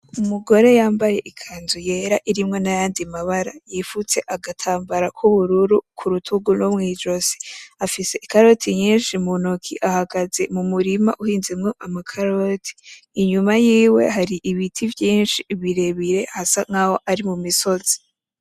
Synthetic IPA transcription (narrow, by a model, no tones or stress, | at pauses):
umuɡo̞ɾe̞jaːmbaje̞ʔikʰaːnzuje̞ːɾaʔiɾimŋo̞najaːndimaβaɾajifut͡se̞ʔaɡatʰaːmbaɾakʰuβuɾuɾukʰuɾutʰuɡunomŋiːd͡ʒo̞zi̥afise̞ʔikaɾo̞tʰiɲiːnʃimunokʰiʔahaɡaze̞mumuɾima̰ʔuhiːnzemŋo̞ʔamakʰaɾotʰi̥ː | ɲumajiːwe̞̰ɦaɾiʔiβitʰivjiːnʃiβiɾe̞βiɾe̞hasaŋ̥aho̞ʔaɾimumiso̞z̥i̥